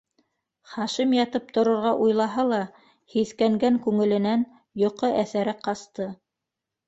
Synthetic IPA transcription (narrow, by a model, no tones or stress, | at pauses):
χɑʃimjɑt̪ɤp̚t̪ŏɾŏɾʁɑʔujlˠɑɦɑlˠɑ | hiθkæŋɡæŋkʉŋɘ̆lɘ̆næn | jŏqɤʔæθæɾæqɑst̪ɤ